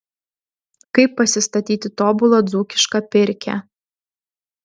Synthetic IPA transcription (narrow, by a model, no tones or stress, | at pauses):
kɐɪpːɐsʲɪst̪ɐt̪ʲiːt̪ʲɪt̪oːbʊlˠod̪zuːkʲɪ̥ʃkɐpʲɪɾʲkʲæ̰